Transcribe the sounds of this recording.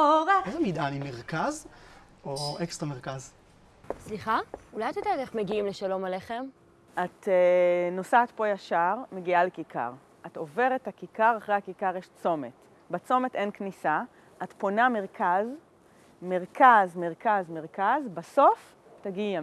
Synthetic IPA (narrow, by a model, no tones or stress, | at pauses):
ezɛmid̪animeʁkaz | oekst̪ʁameʁkaz | sliχaulajat̪odaaɡeχmeɡiimleʃalo̞maleχem | at̪eno̞saːtpo̞jaʃaʁmeɡialekikʰa̰ʁ | ʔato̞ve̞ʁetakikaʁaχʁejhakikaʁjeʃt͡so̞me̞t | bat͡so̞me̞tʔenknisa | ʔat̪po̞name̞ʁkaz | me̞ʁkazme̞ʁkazme̞ʁkazbaso̞f | taɡia